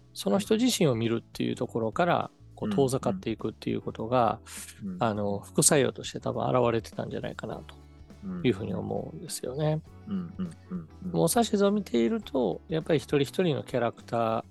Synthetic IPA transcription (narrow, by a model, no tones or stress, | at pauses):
so̞no̞çi̥t̪oʑiɕĩɰ̃o̞mʲiɾɯ̟t̪ːe̞̰jɯ̟̰ːt̪o̞ko̞ɾo̞kaɾa̰ | ko̞ːt̪ʰo̞ːzakat̪ːe̞ikɯ̟t̪ːe̞jɯ̟̰ko̞t̪o̞ɡa̰ː | no̞ɸɯ̟̥kɯ̟saio̞̰ːt̪o̞ɕi̥t̪e̞t̪abɯ̟̃a̰ɾaβaɾe̞t̪e̞̥t̪ã̰ɲ̟d͡ʑa̰na̰ikana̰t̪o̥ | jɯ̟ːɦɯ̟ːɲ̟io̞̰mo̞̰ɯ̟̰̃nd̪e̞sɨ̥jo̞̰ne̞ | moːsaɕizomʲit̪ʰe̞iɾɯ̟t̪ʰo̞japːaɾʲiçi̥t̪o̞ɾʲiçi̥t̪o̞ɾʲino̞̰kʲaɾakɯ̟̥t̪aː